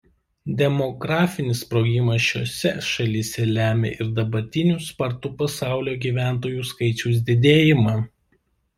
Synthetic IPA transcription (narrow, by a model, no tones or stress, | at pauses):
d̪ʲɛmɔɡɾɑːfʲɪnʲɪspɾoːɡʲɪmɐsʃʲoːsʲɛʃɐlʲisʲɛlʲæːmʲḛʔɪɾd̪ɐbɐɾʲt̪ʲɪnʲuːˑspɐɾt̪ʊpɐsɑˑʊlʲoːɡʲiːʋʲæˑnt̪oːjuːskɐɪt͡ʃʲuʊs̬ʲd̪ʲɪd̪ʲeːjɪmɑː